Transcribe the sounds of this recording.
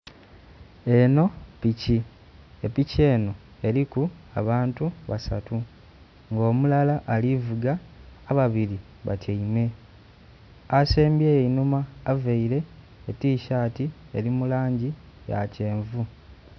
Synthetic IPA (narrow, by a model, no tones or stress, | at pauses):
e̞no̞pici | epice̞ːno̞ | e̞ɾikua̰βaːntuβasa̰tu | ŋɡo̞ːmulalaʔːlivuɡaː | βaβiɾi | βa̰taime̞ | aseːmbjeːjeinumaːveiɾe̞ː | tiːʃaːti | eɾimulaːɲɟi | ja̰ce̞ːɱvu